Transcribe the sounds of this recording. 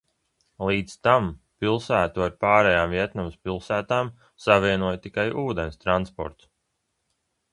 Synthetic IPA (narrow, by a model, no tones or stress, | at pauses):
lˠiːd̪st̪am | pilˠsæːt̪uaɾpaːɾɛjaːmviɛt̪nɔmspilˠsæːt̪aːm | savʲiɛnuɔjt̪ikajʔuːd̪enst̪ɾanspɔ̰ɾt̪s